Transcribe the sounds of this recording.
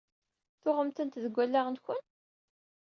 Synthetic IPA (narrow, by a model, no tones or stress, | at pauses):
θʊʁəmt̪ənt̪ðəɡʷːælːæʁnçən